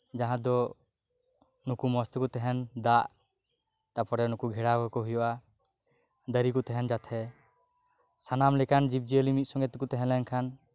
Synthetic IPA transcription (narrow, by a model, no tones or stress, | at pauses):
d͡ʒaɦãd̪ɔ | nukumɔst̪ukut̪ɛɦɛnd̪aʔ | t̪apɔɾɛnukuɡʱɛɽaɡɔkɔɦujɔʔa | d̪əɾikut̪ɛɦɛnd͡ʒat̪ʰɛ | sanamlɛkand͡ʒib̚d͡ʒiəlimit̪̚sɔŋɡɛt̪ukut̪ɛɦɛnlɛnkʰan